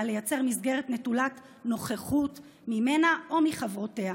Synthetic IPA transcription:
lejat͡se̞ʁmisɡe̞ʁetnetulat | no̞χeχut | mime̞naʔo̞miχavʁo̞te̞a

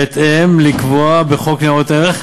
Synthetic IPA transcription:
et̪emlikvoabeχokneot̪eʁeχ

